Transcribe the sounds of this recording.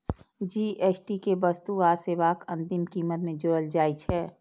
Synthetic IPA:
d͡ʒiːʔeːsʈikebəst̪uaːseːʋaːkə̃nt̪ɪmkiːmət̪mẽd͡ʒʊɽəld͡ʒaːit͡ʃʰɛː

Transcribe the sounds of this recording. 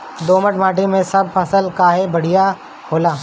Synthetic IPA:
d̪oːməʈmaːʈimẽsɐb̚pʰɐsəlkaːɦebɐɽ̤ija | ɦhoːlaː

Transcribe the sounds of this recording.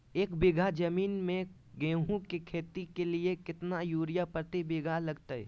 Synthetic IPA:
eːkbɪɡʱad͡ʒəmiːnmẽ | ɡẽːɦũkekʰeːt̪ikeliekɪt̪najuːɾijapəɾt̪ebɪɡʱalɐɡt̪əɛ

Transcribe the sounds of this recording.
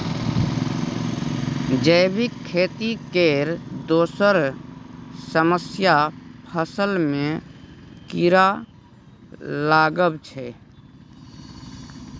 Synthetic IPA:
d͡ʒəɪbɪkʰːeːt̪ikeːɾd̪oːsəɾ | səməsjapʰəsəlmẽ | kiɾa | laːɡəbt͡ʃʰɛ

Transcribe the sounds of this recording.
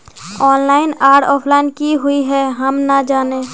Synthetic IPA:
ɔːnlaːɪnaːɾʈɔːpʰlaːɪnkiɦʊiɦɛɦɐmnad͡ʒaːneː

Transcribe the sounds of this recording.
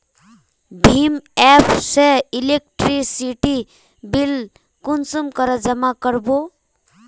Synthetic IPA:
bʱimɛpʰseilek̚ʈɾisiʈi | bil | kunsumkəɾəd͡ʒəmakəɾbo

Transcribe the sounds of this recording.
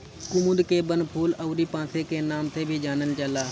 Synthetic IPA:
kʊmʊd̪keːbənpʰuːləʊɾiːpãːseːkeːnaːmt̪ʰeːbʱiːd͡ʒaːnəlt͡ʃəlaː

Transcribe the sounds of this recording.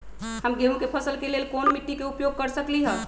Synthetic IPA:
həmɡeɦũkepʰəsəlkelelkonmiʈːikeupjoɡ̚kəɾsəkliɦə

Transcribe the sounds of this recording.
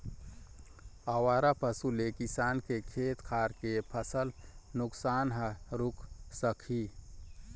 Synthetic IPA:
əwaːɾapəsulekɪsaːnkekʰeːt̪kʰaːɾkepʰəsəlnʊksaːnɦəɾʊkʰsəkʰi

